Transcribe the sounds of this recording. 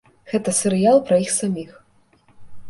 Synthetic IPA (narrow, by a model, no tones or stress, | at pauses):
ɣɛt̪ɐsʲɛɾɨjalˠpɾɐjixsamʲix